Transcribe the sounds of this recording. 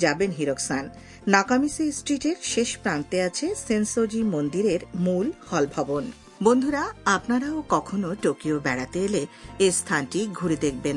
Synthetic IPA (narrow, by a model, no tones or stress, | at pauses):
d͡ʑabenɦiɾoksanː | akamisesʈɾiʈeɾʃeʃpɾant̪eat͡ɕʰesensod͡ʑimond̪iɾeɾmulhɔlbʱɔbon | bond̪ʱuɾaapnaɾaokɔkʰonoʈokiobɛɽat̪eeleest̪ʰanʈiɡʱuɾed̪ek̚ʰben